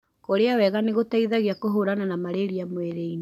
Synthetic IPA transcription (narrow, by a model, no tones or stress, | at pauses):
koɾeawɛɣaneɣotaiðaɣeakoɦoɾananamaɾeɾiamweɾein